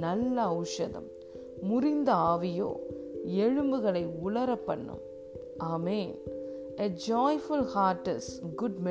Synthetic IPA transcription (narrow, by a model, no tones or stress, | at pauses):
nɐlːɐɐʊʂɐðɐ̰mː | ʊɾɪnd̪ɐaːʋɪjo̰ːɛɻɯmbɯɣɐɭɐɪʊɭɐɾɐpːɐɳːɯ̰m | ʔaːmeːn | ed͡ʒɔːɪfʊlhaːʈɐsɡʊɖmɛ